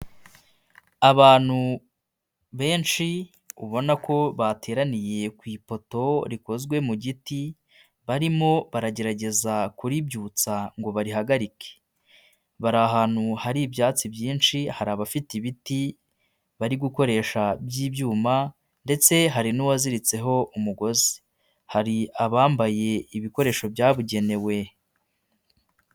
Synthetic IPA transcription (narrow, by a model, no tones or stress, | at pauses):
aβaːn̥hu | βe̞ːnʃi | ṵβo̞nako̞βate̞ːɾanije̞kwiːpo̞to̞ɾiko̞zɡwe̞muɟiti | βaɾimo̞βaɾaɟe̞ɾaɟe̞zakuɾibjuːt͡saŋɡo̞βaɾiɦaɡaɾike̥ | βaɾaɦaːn̥huhaɾibjaːt͡sibjiːnʃihaɾaβafitiβiti | βaɾiɡuko̞ɾe̞ʃabjiːbjuːma | nde̞t͡se̞ɦaɾinuwaziɾit͡se̞ɦo̞ʔumuɡo̞zi̥ | haɾiaβaːmbaje̞iβiko̞ɾe̞ːʃo̞bjaːβuɟe̞ne̞we̞